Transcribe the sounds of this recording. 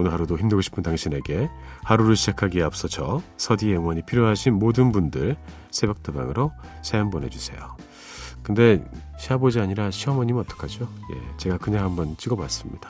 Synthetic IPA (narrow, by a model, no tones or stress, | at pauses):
onɯɭɦaɾudoçimdɯɡoɕʰi̥pʰɯndaŋɕʰine̞ɡe̞haɾuɾɯɭɕʰid͡ʑakʰaɡiap̚s͈ʌt͡ɕʰʌsʰʌdieŋwʌɲipʰiɾjoɦaɕʰinmodɯnbundɯɭ | sʰe̞bjʌk̚t͈eba̰ŋɯɾo | sʰejʌmpone̞d͡ʑusʰe̞̰jo | kɯnde̞ɕʰiɦabod͡ʑiaɲiɾaɕʰiɦʌmʌɲimʌt͈ʌ̥kʰad͡ʑo | je̞̰t͡ɕe̞ɡakɯɲaŋɦambʌnt͡ɕ͈iɡʌbas͈ɯmɲid̥ḁ